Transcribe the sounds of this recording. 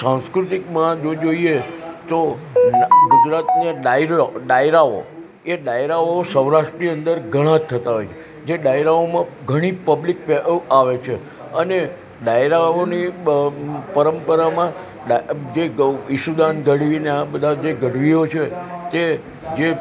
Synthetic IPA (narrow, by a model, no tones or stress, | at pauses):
sãŋskɾut̪ikmãd͡ʒod͡ʒoiet̪o | ɡud͡ʒɾat̪neɖajɾɖajɾao̰ | eɖajɾaosəwɾaʂʈəniə̃nd̪əɾɡʱəɽ̃ãt̪ʰːət̪aɦojt͡ʃʰe | d͡ʒeɖajɾaomãɡʱəɽ̃ipəblik̚paʋet͡ʃʰe | əne | ɖajɾaoni | pəɾəmpəɾamã | ad͡ʒeɪʃud̪anɡəɽʋineabəd̪ʱad͡ʒeɡəɽʋiot͡ʃʰet̪e | d͡ʒe